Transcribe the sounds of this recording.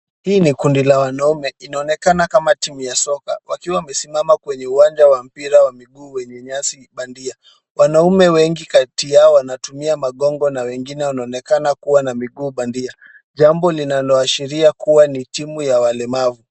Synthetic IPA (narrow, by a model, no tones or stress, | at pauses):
hiːnikundilawanaumɛinaɔnɛkanakamatimujasɔkawakiwamɛsimamakwɛɲɛuwand͡ʒawam̩piɾawamiɡuːwɛɲɛɲasiɓandia | wʔanaumɛwɛŋɡikatijaɔwanatumiamaɠɔŋɡɔnawɛŋɡinɛwanaɔnɛkanakuwanamiɠuːɓandia | ʄambɔlinalɔaʃiɾiakuwanitimujawalɛmavu